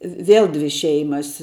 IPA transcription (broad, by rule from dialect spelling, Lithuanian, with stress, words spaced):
ʋʲɪ ˈʋʲeːlˠ ˈdʲʋʲɪ ˈʃʲɛɪmɐs